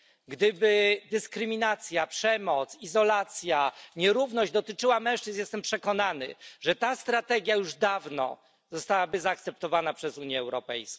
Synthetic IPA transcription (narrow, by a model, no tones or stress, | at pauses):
ɡd̪ɘbɘd̪ɘskɾɘmʲinat̪sʲjapʂɛmɔt̪sizɔlat̪sʲjaɲɛɾuvnɔʑd͡ʑd̪ɔt̪ɘt͡ʂɘwamɛ̃w̃ʂt͡ʂɘznjɛst̪ɛmpʂɛkɔnanɘ̰ʐɛt̪ast̪ɾat̪ɛɡʲjajuʐd̪avnɔ̰ | zɔst̪awabɘzaːkt̪sɛp̚t̪ɔvanapʂɛzuɲjɛːwɾɔpɛjsk